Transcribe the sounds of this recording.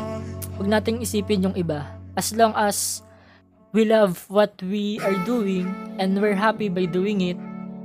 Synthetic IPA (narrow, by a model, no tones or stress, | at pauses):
wɐɡ̚naːt̪ɪŋʔɪsiːpɪnjʊŋʔɪbaʔɐsloŋʔɐs | wilavwɔt̪̚wiʔaɹd̪uːwɪŋʔɛ̃nd̪wɛɹɦapibajd̪uːɪŋɪt̪̚